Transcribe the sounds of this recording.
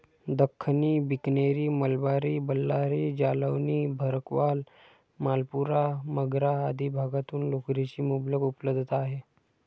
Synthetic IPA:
d̪əkʰːniːbikneɾiːməlbaɾiːbəlːaɾid͡ʑaləʋniːbʱəɾəkʋal | malpuɾaməɡɾaːd̪ʱibʱaɡat̪uːnlokɾet͡ɕiːmobləɡupləbd̪ʱət̪aɦe

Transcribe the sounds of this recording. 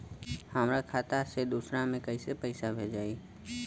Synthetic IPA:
həmɾakʰaːt̪ased̪uːsɾamẽkəisepəɪsabʱed͡ʒaːi

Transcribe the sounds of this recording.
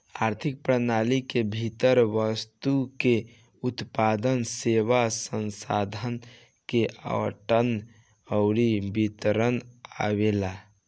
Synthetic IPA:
aɾt̪ʰik̚pɾənalikebʱit̪əɾʋəst̪uke | ut̪pad̪ənseʋasənsa̰d̪ʱən | keʔə̰əʈən | əʊɾibit̪ɾəna̰βela

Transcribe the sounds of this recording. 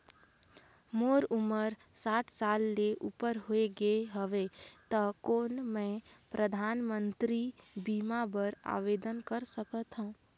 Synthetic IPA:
moːɾuməɾ | saːʈʰsaːlːeʔupəɾɦoeɡeɦəʋet̪əkoːnmẽpɾʔəd̪ʱaːnmə̃nt̪ɾibiːmabəɾa̰ːʋed̪ənkəɾsəkət̪ɦũː

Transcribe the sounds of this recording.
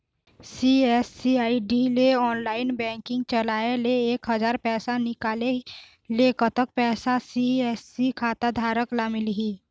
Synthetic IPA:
siɛsːiaːiɖileɔːnlaːɪnbɛ̃ːŋkɪ̃ŋɡ̚t͡ʃəlaːeleeːkɦəzaːɾpɛːsanɪkaːle | leːkət̪ək̚pɛːsasiɛːsikʰaːt̪ad̪ʱaːɾəklamɪlɦiː

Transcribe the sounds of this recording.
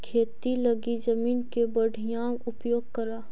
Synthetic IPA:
kʰeːt̪ilɐɡid͡ʒɐmiːnkebɐɽʱijaːwʊpjoːɡ̚kɐɾaː

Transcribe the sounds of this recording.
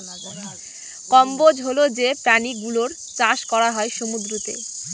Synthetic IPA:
kɔmbod͡ʑɦolod͡ʑepɾaniɡuloɾ | t͡ɕãʃkɔɾaɦɔeʃomud̪ɾot̪ḛ

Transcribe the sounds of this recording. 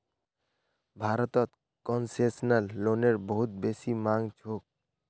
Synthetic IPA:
bʱaɾɔt̪ɔt̪ | kɔnsesnalːoneɾboɦut̪̚besimaŋt͡ʃʰok̚

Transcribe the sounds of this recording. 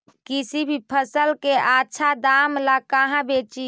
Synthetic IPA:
kisibʱipʰəsəlkeatːʃʰad̪amlakaɦãbet͡ʃi

